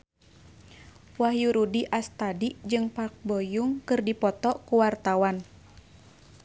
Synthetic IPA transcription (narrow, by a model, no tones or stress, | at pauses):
wahjuɾudiʔast̪adiʔd͡ʒɨŋpak̚bɔjuŋkɨrdipɔt̪ɔkuwart̪awan